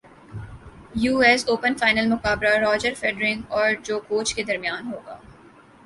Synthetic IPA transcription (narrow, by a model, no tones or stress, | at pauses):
juːɛsoːpənfaːɪnəlmʊqaːbɾaɾɔːd͡ʒəɾfɛɖɾɪ̃ŋɡɔːɾd͡ʒoːkoːt͡ʃked̪ɐɾmijaːnɦoːɡa̰ː